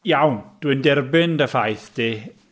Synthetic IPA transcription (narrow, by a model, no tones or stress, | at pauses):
jawnd̥windɛrbɪndəfajθd̥i